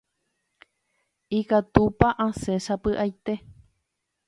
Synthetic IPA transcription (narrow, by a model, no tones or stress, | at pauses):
ikat̪upaʔãsesapɨʔajt̪e